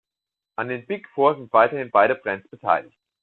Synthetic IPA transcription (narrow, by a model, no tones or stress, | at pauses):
ʔandeːnbɪkfoːɐzɪntv̥aɪtɐhɪnb̥aɪɾəbʁɛnt͡sb̥ətʰa̰ɪlɪçt